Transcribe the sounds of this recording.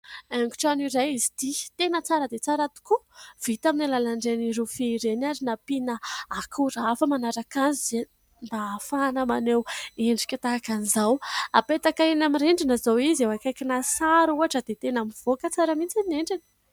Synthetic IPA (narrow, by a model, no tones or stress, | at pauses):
eŋɡu̥ʈ͡ʂaniɾajizi̥t̪it̪enət͡saɾəd̪et͡saɾat̪u̥kuv̥it̪aminilalaɳɖ͡ʐeniɾufiɾenaɾinapinəakʰuɾafəmanaɾakanzize | mbaːfanəmaneweɳɖ͡ʐi̥kʲət̪akanizawa̰pet̪akaenamireɳɖ͡ʐinəzawizewakakinasaɾuaʈ͡ʂəd̪et̪enamiv̥okət͡saɾəmit͡sineɳɖ͡ʐinə̥